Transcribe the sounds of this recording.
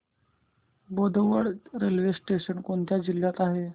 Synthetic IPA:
bod̪ʱəʋəɽɾelʋesʈeɕənkoɳt̪jad͡ʑilːjat̪aɦe

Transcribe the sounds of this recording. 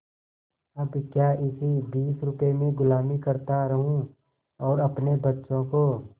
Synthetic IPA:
ɐbkjaːɪsibiːsɾʊpemẽɡʊlaːmikɐɾt̪aɾɐɦũ | ɔːɾɐpnebɐtːʃõkoː

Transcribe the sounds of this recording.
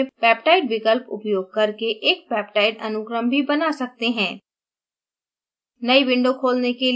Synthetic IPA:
bɛːpʈaːɪɖʋɪkəlpʊ̰pjoːɡ̚kɐɾkeʔeːk̚pɛːpʈaːɪɖɐnʊɡɾəmbʱibɐnasɐk̚t̪eɦɛ̃ː | nɐiʋɪ̃ɳɖokʰoːlneke

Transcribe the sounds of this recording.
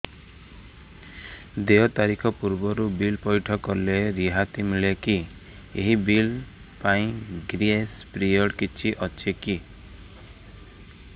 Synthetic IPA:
d̪eɔt̪aɾikʰɔpuɾbɔɾubilpɔjʈʰɔkɔleɾiɦat̪imiɭeki | eɦibil | paĩɡɾiespɾiɔɽkit͡ʃʰiʔɔt͡ʃʰeki

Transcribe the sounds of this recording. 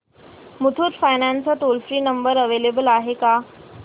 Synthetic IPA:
mut̪ʰuːt̪fajnãnt͡sat̪olfɾiːnəmbəɾəʋelebəlaɦeka

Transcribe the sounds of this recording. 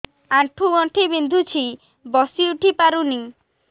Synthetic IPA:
aʈʰuɔʈʰibind̪ʱut͡ʃʰi | bɔsiuʈipaɾuni

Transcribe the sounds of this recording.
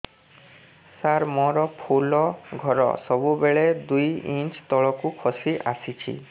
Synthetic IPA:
saɾmɔɾɔpʰolɔɡʱɔɾɔ̰sɔbubeɭed̪ujint͡ʃt̪ɔɭɔkukʰɔsiʔa̰sit͡ʃʰḭ

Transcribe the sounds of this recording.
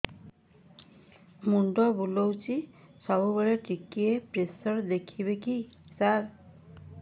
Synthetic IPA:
muɳɖɔbulowt͡ʃisɔbubeɭeʈikiepɾesɔɾd̪ekʰibeki | saɾ

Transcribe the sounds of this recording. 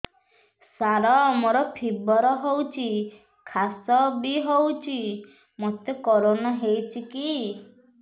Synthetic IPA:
saɾɔmoɾɔpʰibɔɾɔɦowt͡ʃʰi | kʰasɔbiɦowt͡ʃʰi | mɔt̪jokɔɾonaɦewt͡ʃʰiki

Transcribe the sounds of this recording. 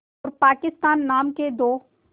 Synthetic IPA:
ɔːɾpaːkɪst̪aːnːaːmked̪oː

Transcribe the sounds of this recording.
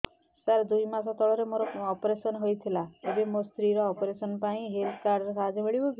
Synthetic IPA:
saɾd̪ujmasɔt̪ɔɭɔɾemoɾɔɔpɔɾesɔnɦojt̪ʰilaebemost̪ɾiɾɔːpɔɾesɔnpaĩɦeld̪kaɾɖɔɾekad͡ʒɔbeɭibɔb

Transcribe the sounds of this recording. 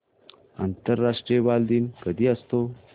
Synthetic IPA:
a̰nt̪əɾːaʂʈɾijəbald̪iːnkəd̪ʱiːəst̪o

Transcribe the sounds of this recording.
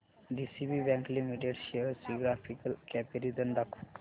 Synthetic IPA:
d̪isibibɛ̃ŋklimiʈeɖʃeəɾsiɡɾafʰikəlkɛpiɾid̪ənɖɐk

